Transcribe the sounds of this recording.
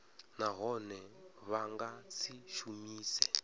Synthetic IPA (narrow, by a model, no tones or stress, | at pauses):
naɦɔnɛβaŋɡat͡sʰiʃumiːsɛ